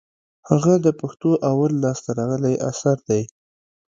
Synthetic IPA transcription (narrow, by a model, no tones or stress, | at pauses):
haɣad̪əpaxt̪oʔawalːɑst̪aɾɑɣəlajʔa̰saɾd̪aj